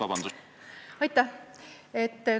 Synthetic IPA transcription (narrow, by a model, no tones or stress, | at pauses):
ɑbɑnd̪̥u | ɑjt̪ːɑ | et̪ː